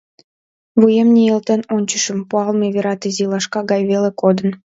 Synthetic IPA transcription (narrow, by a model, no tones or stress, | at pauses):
βujemnʲielt̪enonʲt͡ɕəʃə̆mpuɑlmeβeɾɑt̪izilɑʃkɑɣɑjβelekod̪ən